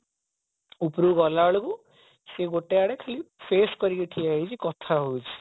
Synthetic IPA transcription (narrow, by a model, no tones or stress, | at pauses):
upɾuɡɔlaɭoku | seɡoʈeaɽekʰalipʰeskɔɾikiʈʰiaɦit͡ʃʰikɔt̪ʰaɦot͡ʃʰi̥